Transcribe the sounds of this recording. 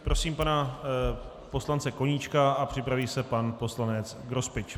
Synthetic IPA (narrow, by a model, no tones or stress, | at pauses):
pɾo̞siːmpana | po̞slant͡sɛkoɲit͡ʃkaapr̝̥ɪpɾaviːsɛpanpo̞slanɛt͡sɡɾo̞spɪt͡ʃ